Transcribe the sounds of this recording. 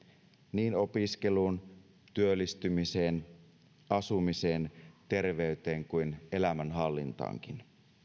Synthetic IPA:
niːno̞piske̞luːn | t̪yølːist̪ymise̞ːn | ɑsumiseːnt̪e̞rʋe̞yt̪e̞ːŋkujne̞læmænɦɑlːḭnt̪ɑ̰ːŋk̟in

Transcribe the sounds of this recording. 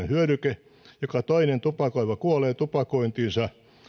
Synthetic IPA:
ehyøɾyke | jokɑt̪oinent̪upɑkoiʋɑkuoleːt̪upɑkoint̪iːnsɑ

